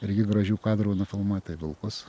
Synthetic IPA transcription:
ɪɾʲɡʲɪɡɾɐʒʲuːkɑːd̪ɾɐɔʊnɐfʲɪlˠmɑːt̪ɐɪʋʲɪlˠkʊs

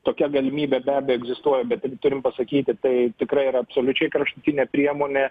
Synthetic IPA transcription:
t̪oːkʲɛɡɐlʲɪmʲiːbʲɛbʲæːbʲejoɛɡzʲɪst̪uɔjɛbʲɛt̪ɐɡʲɪt̪ʊɾʲɪmpɐsɐkʲiːt̪ʲɪt̪ɐɪt̪ʲɪkɾɐɪiɾɐɐpsoːlʲʊt͡ʃʲɛɪkɾɐʃt̪ʊt̪ʲɪnʲɛːpʲɾʲiɛmoːnʲeː

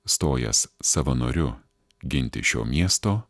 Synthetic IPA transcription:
st̪oːjɛ̰ssɑʋɐno̰ːɾʲʊ | ɡʲɪnʲt̪ʲɪ̰ʃʲo̰ːmʲiɛst̪oː

